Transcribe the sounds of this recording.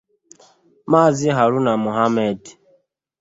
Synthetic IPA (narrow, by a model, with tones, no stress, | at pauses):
maː˦˨zɪ˦ɦa˨ɾu˦na˨mu˨ɦa˦mɛ˦˨d